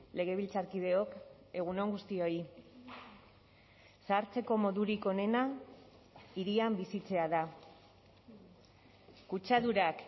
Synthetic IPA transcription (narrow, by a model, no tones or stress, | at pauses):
le̞ɣ̞e̞β̞ilt͡saɾkið̞e̞o̞k | e̞ɣ̞uno̞ŋɡust̪io̞i | saɾt͡se̞ko̞mo̞ðuɾiko̞ne̞na | iɾiambisit͡se̞aða | kut͡ʃaðuɾak